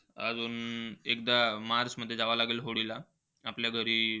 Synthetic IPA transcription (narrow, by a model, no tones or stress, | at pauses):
a̰d͡zuːnek̚d̪amaɾsməd̪ʱːjed͡zaʋalaɡelɦoɽila | apljaɡʱəɾiː